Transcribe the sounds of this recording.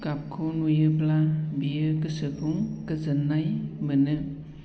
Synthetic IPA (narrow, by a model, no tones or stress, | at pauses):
kap̚kʰonujɯplabijɯkɯsɯkʰuŋkɯzɯnːajmɯnɯ